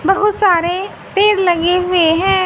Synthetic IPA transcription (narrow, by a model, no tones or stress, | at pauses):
bɐɦʊt̪saːɾe | peːɾlɐɡeɦʊeɦɛ̃ː